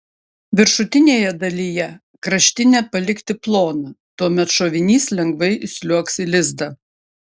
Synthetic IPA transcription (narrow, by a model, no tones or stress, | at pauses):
ʋʲɪɾʃʊt̪ʲɪnʲeːjɛd̪ɐlʲijɛ | kɾɐʃʲt̪ʲɪnʲepɐlʲɪkʲt̪ʲɪplˠoːnɐt̪uɔmʲɛt̪ʃoːʋʲɪnʲiːslʲɛŋɡʋɐɪʔɪsʲlʲuɔksɪlʲɪzd̪ɐ